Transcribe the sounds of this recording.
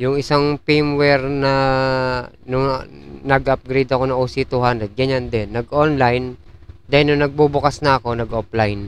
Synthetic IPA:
jʊŋɪsaŋpimwɛɾnɐ | nʊŋnɐɡʔɐp̚ɡɾejd̪ɐko̞nɐŋʔosit̪uhand̪ɾɛd̪̚ɡɐɲand̪ɛnːɐɡʔonlajnd̪ahɪnʊŋnɐɡ̚bubʊkasnɐʔɐko̞nɐɡʔoplajn

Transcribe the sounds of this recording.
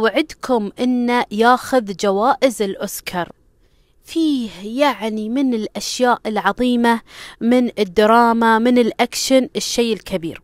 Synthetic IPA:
wʕɪd̪kʰʊmʔɪnːajaːxʊðd͡ʒawaːʔɪzɪlʔʊskʰɑɾˤ | fiːhjaʕnimɪnɪlʔaʃjaːʔɪlʕɑðˤiːmamɪnɪd̪ːɑɾˤɑːmamɪnɪlʔakʃanɪʃːeːɪlkʰabḭːɾ

